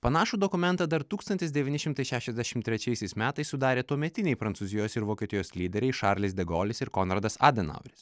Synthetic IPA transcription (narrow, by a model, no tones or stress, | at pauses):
pɐnɑːʃuːd̪ɔkʊmʲɛnt̪ɑd̪ɐɾt̪uːkst̪ɐnʲt̪ʲɪsd̪ʲɛʋʲiːnʲɪʃʲɪmt̪ɐɪʃʲæːʃʲɛzʲd̪ʲæʃʲɪmt̪ʲɾʲɛt͡ʃʲɛɪsʲɛɪsmʲæːt̪ɐɪssʊd̪ɑːɾʲeːt̪uɔmʲɛt̪ʲɪnʲɛɪpɾɐnt̪suːzʲɪjoːsɪɾʋoːkʲɛːt̪ʲɪjoːsʲlʲiːd̪ʲɛɾʲɛɪʃɑɾʲlʲɪsʲd̪ʲɛɡoːlʲɪsɪɾkɔnɾɐd̪ɐsɑ̰ːd̪ʲɛnɐ̰ʊɾʲɪs